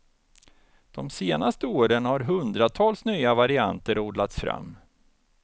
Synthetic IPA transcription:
d̪̥ɔmseːnast̪əoːɾənhaɾɦɵnd̪ɾat̪ʰɑːlsnyːavaɾɪa̰nt̪əɾoːd̪lat̪sfɾa̰mː

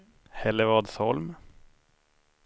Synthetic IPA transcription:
hɛlːəɾvɑːd̪sɔlm

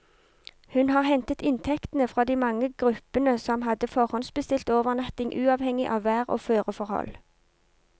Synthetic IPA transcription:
hʉnhɑːʁhɛnt̪ət̪ɪnt̪ʰɛkt̪n̩əfʁɑːd̪iːmɑŋəɡ̥ʁʉpənəsɔmɦɑd̪əfɔʁhɔnsbəst̪ɪlt̪oːʋəʁnɑt̪ɪŋʔʉːɑːʋhɛŋɪʔɑːʋʋæːʁo̰ːføːʁəfɔʁhɔ̰l

